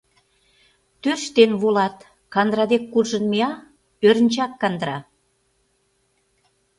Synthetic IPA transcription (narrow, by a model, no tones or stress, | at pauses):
t̪ørʃt̪enβolɑt̪ | kɑnd̪ɾɑd̪ekːurʒənmeɑ | øɾənt͡ɕɑkːɑnd̪ɾɑ